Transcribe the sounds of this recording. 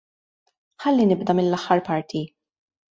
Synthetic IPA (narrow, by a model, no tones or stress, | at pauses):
ħɐlːinɪbd̪ɐmɪnlɐħːɐɾpɐɾt̪ʰi